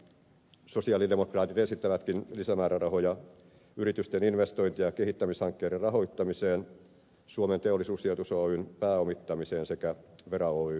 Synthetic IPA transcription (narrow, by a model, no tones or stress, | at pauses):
sosiɑːlidemokrɑːt̪it̪esit̪ːæʋæt̪kinlisæmæːɾærɑhojɑ | yɾit̪yst̪eninʋest̪o̞jnt̪ijɑkeɦit̪ːæmishɑŋkːeːɾerɑɦo̞it̪ːɑmiseːn | suoment̪eolːˑisuːsiot̪usoynpæːomit̪ːɑmiseːnsekæʋeɾɑoy